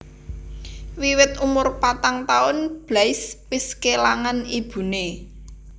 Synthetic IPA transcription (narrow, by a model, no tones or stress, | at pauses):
wiwɪt̪umʊrpat̪aŋt̪aʊnb̥lajspiskelaŋanib̥ṳne